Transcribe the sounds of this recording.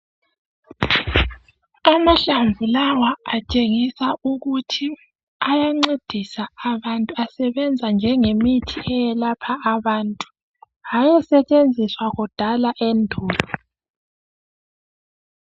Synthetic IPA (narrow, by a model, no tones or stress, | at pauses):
amaɬaɱvulawaat͡ʃʼeŋisaʔuɣutʰi | ajaŋ͡ǀed̥ʱisaːβantʼuasɛβɛnd͡zʱand͡ʒʱɛŋemitʰiʔɛjɛlapʰaːβaːntʼu̥ | ajɛsɛt͡ʃʼend͡zʱiswaɣɔd̥ʱalaʔɛndʱɔːlʱɔ